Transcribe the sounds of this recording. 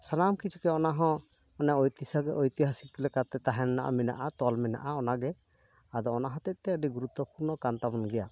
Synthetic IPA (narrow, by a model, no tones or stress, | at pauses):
sanamkit͡ʃʰukɛɔnaɦɔ̃ | ɔnɛɔjt̪isaɡɛʔɔjt̪iɦasit̪ilɛkat̪ɛt̪aɦɛnnaʔa̰mɛna̰ʔat̪ɔlmɛna̰ʔaɔnaɡɛ | ad̪ɔɔnaɦɔ̃t̪ɛʔ̚t̪ɛəɖiɡuɾut̪wɔpuɾnɔkant̪abɔnɡɛja